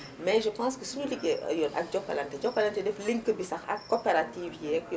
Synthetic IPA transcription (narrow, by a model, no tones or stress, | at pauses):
mɛʒəpãːskəsunuliɡɛjɔla̰k̚d͡ʒɔkːa̰lɐntɛd͡ʒɔkːalantɛdɛfliŋkəbisɐxa̰kːopeɾatiːfjɛk